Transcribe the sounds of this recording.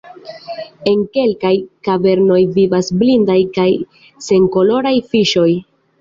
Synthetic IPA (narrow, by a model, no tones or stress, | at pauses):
e̞ŋke̞lkajkave̞ɾno̞jvivasblindajkaj | se̞ŋko̞lo̞ɾajfiʃo̞j